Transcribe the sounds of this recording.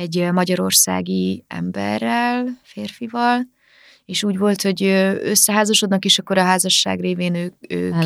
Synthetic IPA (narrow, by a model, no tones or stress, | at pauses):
ɛɟmɒɟɒɾo̞rsa̰ːɡiɛ̰mbɛ̰rːɛlfeːrfivɒl | eːʃuːɟvo̞lt̪ho̞ɟøːøsːɛɦaːzɒʃo̞d̪nɒkeːʃɒkːo̞ɾɒɦaːzɒʃːa̰ːɡreːveːnøːø̰ː